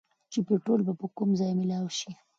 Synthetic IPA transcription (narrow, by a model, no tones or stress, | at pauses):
t͡ʃepeʈolbapəkumzɑjmɪlɑwʃi